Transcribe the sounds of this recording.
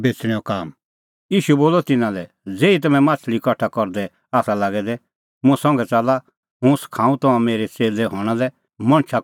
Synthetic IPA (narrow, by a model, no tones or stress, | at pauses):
beːt͡sɽ̃ɛ̃okaːm | jiːʃuboːlɔt̪ɪnãlɛ | d͡zeːit̪̬ɐmɛ̃maːt͡ʃʰlikɔʈʰːakɔɾd̪ɛ | aːsalaːɡɛd̪ɛ | mũsɔ̃ŋɡɛt͡sala | ɦũskʰãːũt̪ɐãmeːɾet͡seːlɛɦɔːɽ̃alɛ | mɐ̃ɽ̃t͡ʃʰa